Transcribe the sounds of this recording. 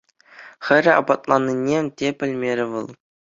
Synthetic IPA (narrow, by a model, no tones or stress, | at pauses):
xʲɘ̆ɾʲɘ̆ɑ̰bɑt̪lˠɑnʲːinʲːemʲtʲepʲɘ̆lʲmʲeɾʲɘ̆ʋɤ̆lˠ